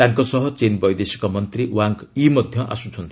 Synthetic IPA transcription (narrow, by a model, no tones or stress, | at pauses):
t̪aŋkosʌɦʌt͡senbʌjd̪esi̥kamʌnt̪riwaŋkimʌd̪ʱjʌʔa̰sut͡sʰʌnt̪ʰ